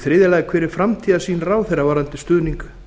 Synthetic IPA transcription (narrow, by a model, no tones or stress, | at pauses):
θɾɪːðɪlajðɪkʰvɛːɾɪɾ̥fɾamt̪ʰiːðasiːnraːwθɛjravaːɾant̪ɪst̪ʏːðniŋk